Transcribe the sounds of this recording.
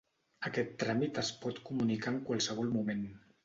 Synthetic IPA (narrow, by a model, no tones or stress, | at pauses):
əkɛt̪ːɾamit̪əspɔt̪kumunikaəŋkwalˠsəβ̞ɔlˠmumen